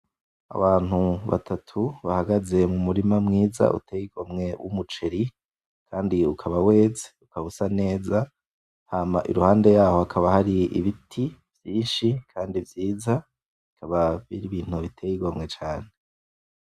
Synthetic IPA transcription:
a̰βaːn̥huβa̰tʰatʰuβahaɡaze̞mumuɾimamŋiːza̰ʔṵteːjiɡ̥omŋe̞wʔṵmut͡ʃeɾi | kʰaːndiukʰaβawe̞ːze̥ukaβusane̞ːza | haːmaʔḭɾuhaːnde̞jaːho̞akʰaβahaɾiḭβitʰivjiːnʃikʰaːndivjiːza | ikʰaβaβiɾiβiːn̥huβitʰeːjiɡomŋe̞t͡ʃaːne

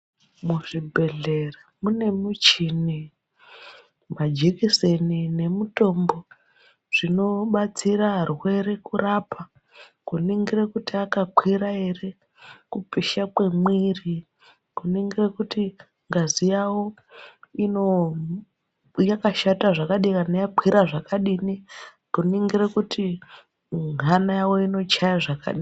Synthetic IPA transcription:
muʐibʱe̞ɮe̞ramune̞mut͡ʃini | mad͡ʒikisenine̞muto̞mbo̞ | ʐ̥ino̞ɓat͡siɾarwe̞ɾe̞kurapʰa | kuniŋɡirekutiakakwiɾae̞re̞ | kupiʃakwemwiri | ɡuniŋɡirekuti | ŋɡazijawo | ino | jakaʃataʐakaɗikanajakwiɾaʐakaɗini | ɡuniŋɡiɾekuti | ŋanajawoino̞t͡ʃajaʐaka̰ɗi

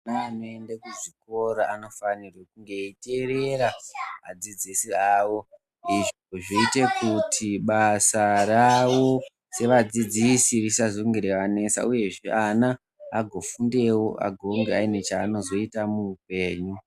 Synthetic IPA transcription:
anaːno̞e̞ndekuʐiko̞ɾaano̞fanirwekuŋɡe̞ite̞re̞ɾama̰d͡zid͡zisiaːwo̞ | iʐoʐoite̞kutʰiɓasaraʋo̞ | se̞ʋad͡zid͡zisirisazoŋɡeɾeʋane̞sa̰uje̞ʐeʔanaː | ɡʱo̞funde̞wo̞ʔa̰ɡʱo̞ŋɡeaine̞t͡ʃaːno̞zo̞itamuːpe̞ːɲu

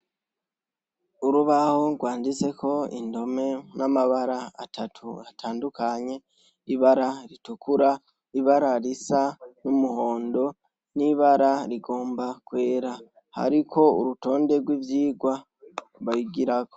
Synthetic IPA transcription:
uɾuβahoɡwaːndit͡se̞kʰo̞ḭndo̞me̞namaβaɾaa̰tʰatʰuatʰaːndukaɲe̞ | iβaɾaɾitukuɾa | iβaɾaɾisanumuho̞ːndo̞ | niβaɾaɾiɡo̞ːmbakwe̞ːɾa | ha̰ɾikʰo̞ṵɾuto̞ːnde̞ɡwiːvjiːɡwa | βajiɡiɾako

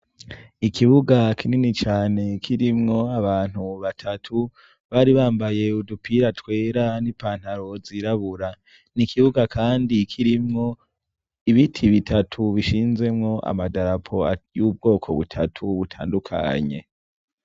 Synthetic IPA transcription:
ikʰiβuɡakʰininit͡ʃaːne̞kʰiɾimŋo̞aβaːn̥huβatʰatʰu | βaːɾiβaːmbaje̞udupʰiɾatwe̞ːɾanipaːn̥haɾo̞ziɾaβuɾa | nikʰiβuɡakʰaːndikʰiɾimŋo̞ | iβitʰiβitʰatʰuβiʃiːnze̞mŋo̞ʔa̰madaɾapʰo̞a̰juːb̚ɡo̞ːkʰo̞̰βṵtʰatʰuβutʰa̰ːndukʰa̰ɲe̞̰

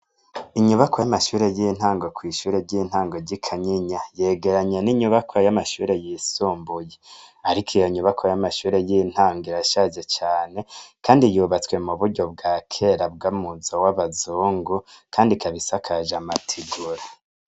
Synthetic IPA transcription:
iɲuβakojamaʃuːɾe̞jin̥haːŋɡo̞kwiːʃuːɾe̞ɟin̥haːŋɡoɟikʰaɲiɲaje̞ːɡe̞ɾaɲeniɲuβakʰojamaʃuːɾe̞jiːsuːmbujeaɾikʰijoɲuβakʰojamaʃuːɾe̞jin̥haːŋɡoiɾaʃaʒet͡ʃaːne̞kʰaːndijuːβat͡swe̞muβuɾɟo̞b̚ɡaːkʰe̞ɾab̚ɡamuzowaβazuːŋɡukʰaːndikʰaβisakʰaʒamatʰiɡuɾa

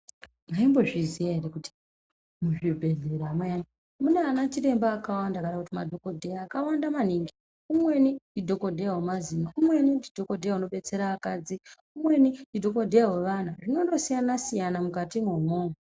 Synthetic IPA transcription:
ŋaimbo̞ʐizijaeɾekuti̥ | muʐibʱe̞ɮeɾamwejam | muneanat͡ʃire̞mbaːkawandakaɗakutimadʱo̞ko̞dʱejaːkawandamaniŋɡi | umwe̞nindidʱo̞ko̞dʱejawemazinaumwe̞nindidʱo̞ko̞dʱejauno̞ɓe̞t͡se̞ɾaːkad͡zi | umwe̞nindidʱo̞ko̞dʱejawe̞ʋan̤aʐino̞ndo̞sijanasijanamukatimwomoːmu

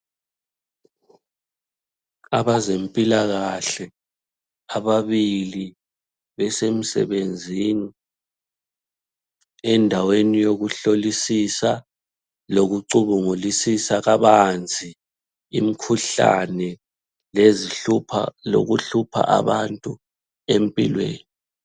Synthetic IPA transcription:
aβazempʼilaɣaɬɛ | aβaβili | βɛsem̩sɛ̰βend͡zʱiːni | ɛndʱawenijoɣuɬolisisa | loɣuǀuβuŋulisisaɣaβand͡zʱiː | mikʰuɬa̰nɛ | leziupʰa̰lo̰ɣuɬupʰa̰ʔa̰βantʼu | empʼḭlwḛːni

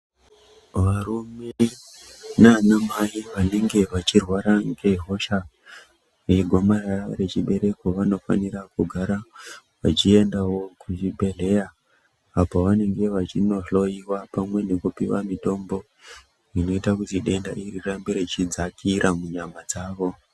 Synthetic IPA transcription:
ʋaɾume | nanamajiʋane̞ŋɡe̞ʋat͡ʃirwaɾaŋɡe̞ɦo̞ʃa | eɡʱo̞maraare̞t͡ʃiɓe̞ɾe̞ko̞ʋano̞fa̰nirakuɡʱaɾa | ʋat͡ʃie̞ndawo̞kut͡ʃibʱe̞ɮe̞jaː | poʋane̞ŋɡe̞ʋat͡ʃino̞ɬo̞iwapamwe̞ne̞kupiwa̰mito̞mbo̞ | ino̞itakutiɗe̞nda̰ʔirirambeɾet͡ʃid͡zakiɾʔamuɲamad͡zaːʋo̞

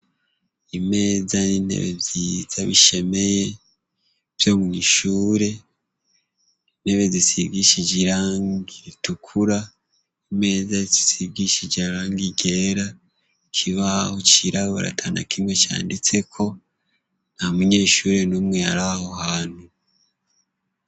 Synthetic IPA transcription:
ime̞ːzanin̥hḛβḛvjiz̥aβiʃe̞me̞je̞ | v̥jo̞ːmuŋiːʃuːɾe̞ | in̥he̞βe̞zisiɡiʃid͡ʒiɾaːŋɡiɾitukʰuɾa | ime̞ːzazisiɡiʃid͡ʒiaɾaːŋɡiɡe̞ːɾa | kʰiβahot͡ʃiɾaβoɾa̰tʰana̰kʰimwe̞t͡ʃa̰ːndit͡se̞kʰo̞ | namuɲe̞ːʃuːɾe̞numŋe̞aɾaho̞haːn̥hu

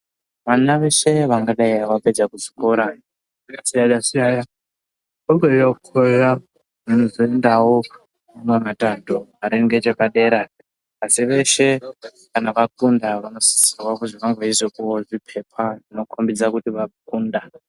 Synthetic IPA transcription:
ʋanaʋe̞ʃe̞ʋaŋɡaɗaiaʋaped͡zakuʐi̥koɾa | asiaɗasiaja | oɡejokʰoja | ʋanozoendawo | uŋɡamatandoaɾeŋɡe̞t͡ʃepaɗe̞ːɾaː | siʋe̞ʃe̞ | kanaʋakundaʋano̞si̥sirwakuʐiʋaŋɡaizokuoʐipʰe̞pʰaʐino̞kʰombid͡zakutiʋak̚uːnda

